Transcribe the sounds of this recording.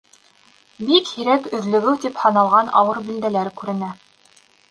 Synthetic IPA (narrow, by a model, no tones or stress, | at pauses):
bikhiɾækɵ̆ðlɵ̆ɡɘwt̪iphɑnɑlˠʁɑnɑ̰wɤɾbild̪ælæɾkʉɾɘ̆næ